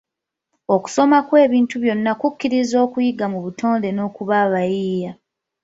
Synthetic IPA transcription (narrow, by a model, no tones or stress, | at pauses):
o̞ku̥so̞makwe̞ːβiːntuβjo̞nːakukːiɾizo̞ːkujiɡamuβutʰo̞ːnde̞no̞ːkuβaːβajiːja